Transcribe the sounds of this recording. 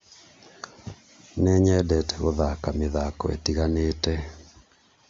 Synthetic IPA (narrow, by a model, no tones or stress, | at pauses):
neɲɛdɛtʰɛɣoðakameðakɔ̰ḛtiɣaneːtɛ